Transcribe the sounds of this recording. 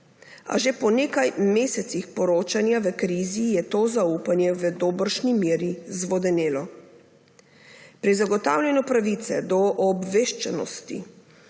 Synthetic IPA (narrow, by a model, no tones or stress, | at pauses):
a̰ʒepɔneːkajmeːsɛt̪sixpɔɾoːt͡ʃanjaʋəkɾiːzijɛt̪oːzauːpanjɛʋəd̪oːbəɾʃnimeːɾizʋɔd̪ɛneːlɔ | pɾizaɡɔt̪a̰ːwlʲjɛnɔpɾaʋit̪sɛ̰d̪ɔʔɔbʋeːʃt͡ʃɛnɔ̰st̪ḭ